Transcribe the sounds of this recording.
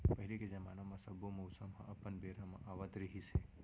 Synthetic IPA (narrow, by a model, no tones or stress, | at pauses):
pəɦiliked͡ʒəmanamãsəbʱomowsəmɦã̰ʔəpənbeɾamã̰ʔaʋət̪ɾəɦisʰe